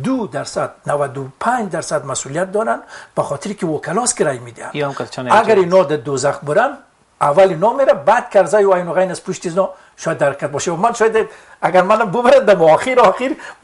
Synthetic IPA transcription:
d̪ud̪aɾsad̪̚nawad̪upʰad͡ʒd̪aɾsad̪masulijat̪̚d̪ɔɾanb̥aχɔt̪ʰiɾikiwɔkʰalɔsɡiɾajmed̪iha̰nnaɡɡaɾinɔd̪ad̪ozaχ̚bʊɾan | avalinɔmeɾabad̪̚kʰaɾzajuajnuɣajnazpuʃt̪iznɔ | ʃɔjad̪ːaɾkʰat̪̚bɔʃiwamanʃɔjad̪e | aɡaɾmanambʊbaɾand̪amɔxiɾɔxiɾ

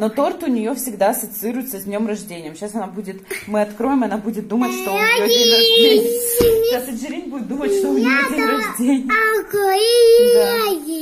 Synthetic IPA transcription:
no̞t̪o̞rt̪ʊnʲɪjo̞fsʲɪɡd̪aɐsət̪sɨɨɾʊjɪt̪səzʲdʲnʲo̞mrɐʐdʲenʲɪjəmɕasɐnabudʲɪt̪mɨɐt̪kɾo̞jɪmɐnabudʲɪt̪̚d̪umətʲʂt̪ojoɐdemʲasəʐɨɾʲinʲbudʲɪt̪̚d̪umətʲʂt̪ojodʲiɾɐʐdʲenʲɪjkoda

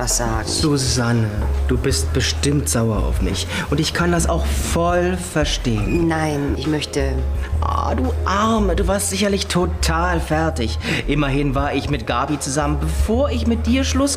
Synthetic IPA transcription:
asz̥a̰ːɡ̩z̥uzanəd̥uːbɪst̚b̥əʃtɪmtz̥aʊɐa̰ʊfmɪ̰ç | ʔʊntɪçkʰandasaʊxfɔlfɛɐʃteːənnaɪnʔɪçmœçtəʔa̰duːʔaɐməduːvaːɐstz̥ɪç̬ɐlɪçtʰotʰaːlfɛɐtɪçʔɪmɐɦɪnvaːɐɪçmɪt̚ɡ̥aːbit͡suzamənbəfoːɐɪçmɪt̚d̥iːɐʃlʊs

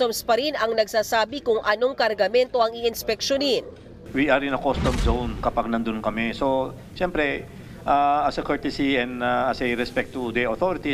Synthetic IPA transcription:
t̪omspɐɾinɐŋnɐɡ̚saːsaːbɪkʊŋʔɐnoŋkɐɾɡɐmɛnt̪o̞ʔɐŋiʔɪnspɛk̚ʃonin | wiɐɾɪnɐkost̪ɔmzownkɐpaɡ̚nɐnd̪ʊnkɐmɛso | ʃɛmpɾɛ | ʔaɐsɐkɛɹt̪ɛsiɛnd̪aɐsejɾɛspɛk̚t̪ːud̪ɛot̪oɾɪt̪i

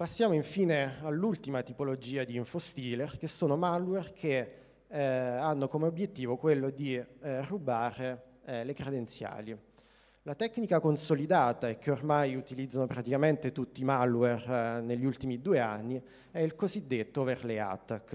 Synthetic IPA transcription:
pasːjaːmoiɱfiːnealːult̪imat̪ipolod͡ʒiːad̪iːɱfost̪iːlerk̟esːoːnomalwɛrkʰe | anːokomeobjet̪ːiːvokwelːod̪irubaːɾe | lekɾed̪ent̪sja̰ːli | lat̪ɛkːnikakonsolid̪aːt̪aek̟ːeormajut̪ilid̪zanopɾat̪ikament̪et̪ut̪ːimalwɛrneʎːiult̪imid̪uːea̰nːi | ɛilkozid̪ːet̪ːoverlea̰t̪ːak

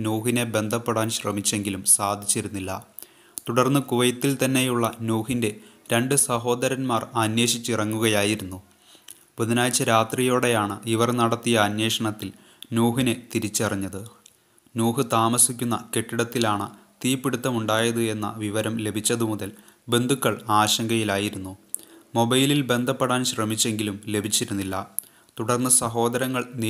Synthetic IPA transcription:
nuːɦine̞be̞nd̪ʱɐpːeɽaːnɕrɐmit͡ɕːe̞ŋɡilumsaːd̪ʱit͡ɕːiɾunːilːɐ̰ | t̪uɽɐrnːɨkuʋɐjɐt̪ːilt̪ɐnːe̞juɭːɐnuːhinde̞ | ɾeɳɖɨsɐɦo̞ːd̪ɐɾɐnmaːrɐnje̞ːɕit͡ɕːirɐŋːuɣɐjaːjiɾunːu | buðɐnaːjt͡ɕːɐɾaːt̪rijo̞ːɽe̞jaːɳɨiʋɐrnɐɽɐt̪ːijɐːnje̞ːʂɐɳɐt̪ːil | nuːɦine̞t̪iɾit͡ɕːɨɐriɲːɐðɨ | nuːɦɨt̪aːmɐsikʲːunːɐke̞ʈːiɽɐt̪ːilaːɳɨt̪iːpːiɽut̪ːɐmuɳɖaːjɐðɨe̞nːɐ̰ʋiʋɐɾɐmle̞bʱit͡ɕːɐðɨmuðɐl | be̞nd̪ʱukːɐɭaːɕɐŋɡɐjilaːjiɾunːumo̞bɐjlilbe̞nd̪ʱɐpːeɽaːnɕrɐmit͡ɕːe̞ŋɡilumle̞bʱit͡ɕːiɾunːilːɐ | t̪uɽɐrnːɨsɐɦo̞ːd̪ɐɾɐŋːɐɭni

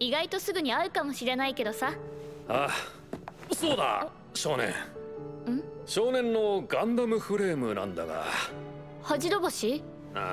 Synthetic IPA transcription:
iɡait̪o̞sɨɡɯ̟ɲ̟iaɯ̟kamo̞ɕiɾe̞naike̞d̪o̞saa | so̞ːd̪a̰ | ɕo̞ːnḛ̃ɴɯ̟̃ɴɕo̞ːnẽ̞nːo̞ɡãnd̪amɯ̟ɸɯ̟ɾe̞ːmɯ̟nã̰nd̪a̰ɡa̰ | haʑiɾo̞boɕi | a

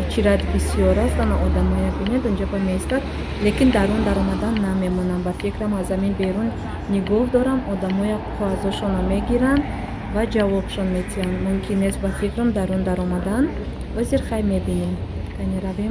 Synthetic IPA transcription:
t͡ʃʰiɾad̪bisijɔɾast̪anaʔɔd̪amɔjabuned̪und͡ʒabameist̪ad̪ | le̞kind̪aɾund̪aɾɔmad̪anːame̞mɔnambafikɾamazaminbe̞ɾunː | iɡɔhd̪ɔɾamɔd̪amɔjaqʰuazɔʃɔnameɡiɾand̪ | vad͡ʒavɔbʃɔnme̞t̪ʰianmumkʰinːest̪bafikɾumd̪aɾund̪aɾɔmad̪an | ɔziɾχajmebinem | k̪ʰaneɾavem

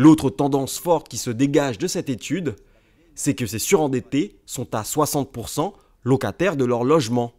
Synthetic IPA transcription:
lot̪χət̪ɑ̃d̪ɑ̃sfɔʁt̪kʲisəd̪eɡaʒd̪əsɛt̪et̪ʰyd̪ | sɛkəsesyʁɑ̃d̪et̪esɔ̃t̪aswasɑ̃t̪̚puʁsɑ̃ | lɔkat̪ɛʁd̪əlœʁlɔʒmɑ̃

